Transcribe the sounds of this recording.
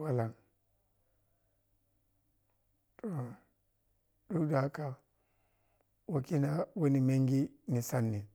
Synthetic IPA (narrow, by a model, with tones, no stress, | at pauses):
wa˦la˨ŋ | to˨ | du˦da˨˦ka˨ | wo˨ki˦na˦wo˦ni˨me˦ŋɡi˦ni˨sa˦nːi˨